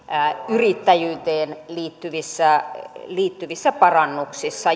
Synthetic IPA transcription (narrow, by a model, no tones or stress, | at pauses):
yrit̪ːæjyːt̪eːnliːt̪ːyʋisːæliːt̪ːyʋisːæpɑrɑnːuksisːɑ